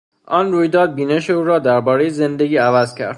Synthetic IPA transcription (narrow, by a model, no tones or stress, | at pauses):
ʔɒːnruːjd̪ɒːd̪̚biːne̞ʃeuːɾɒːd̪æɾbɒːɾe̞jeze̞nd̪e̞ɡʲiːævæzcʲʰæ̰ɾd̪̥